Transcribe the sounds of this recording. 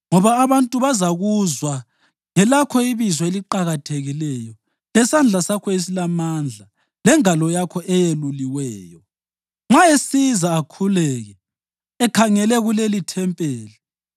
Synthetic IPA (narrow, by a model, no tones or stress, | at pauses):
ŋɔβaːβantʼuβazaɣuzwa | ŋɛlakʰɔiβizɔeliǃaɣatʰeɣilɛjɔ | lɛsand͡ɮʱasakʰɔes̬ilamand͡ɮʱa | lɛŋalɔjakʰɔʔɛjeluliwɛːjɔ | ŋ͡ǁaesizaːkʰulɛːɣɛ | ɛkʰaŋɛlɛɣulelitʰɛmpʼeːli